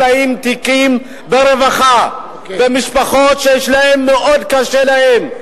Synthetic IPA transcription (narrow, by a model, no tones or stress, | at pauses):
aimt̪ikim | beɾevaχa | bemiʃpaχo̞t̪ʃejɛʃlahe̞mːeʔod̪kaʃelahem